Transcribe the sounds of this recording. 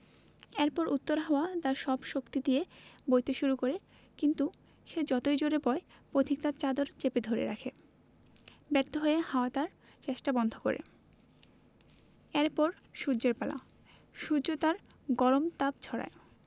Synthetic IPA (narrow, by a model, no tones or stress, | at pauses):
ɛɾpɔɾʔut̪ːoɾɦaoat̪aɾʃɔbʃokt̪id̪iebojt̪eʃuɾukoɾe | kint̪u | ʃed͡ʑɔt̪ojd͡ʑoɾepɔepɾod̪ʱʰik̚t̪aɾt͡ɕad̪oɾt͡ɕeped̪ʱoɾḛɾakʰe | bɛɾt̪oɦoehaoat̪aɾ | t͡ɕeʃʈabɔnd̪ʱoko̰ɾḛ | eɾpɔɾ | ʃudd͡ʑeɾpala̰ | ʃud͡ʑot̪aɾ | ɡɔɾomt̪ab̚t͡ɕʰɔɾa̰e